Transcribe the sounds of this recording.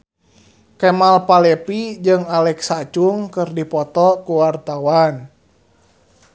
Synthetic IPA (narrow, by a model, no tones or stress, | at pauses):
kɛmalpalɛpid͡ʒɨŋalɛksat͡ʃuŋkɨrdipɔt̪ɔkuwart̪awan